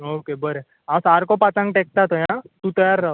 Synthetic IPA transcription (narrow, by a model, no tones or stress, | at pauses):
oːkebəɾe | ãsaːɾkopat͡ʃãŋɡʈek̚t̪at̪ojãt̪ut̪əjaɾːɐɦo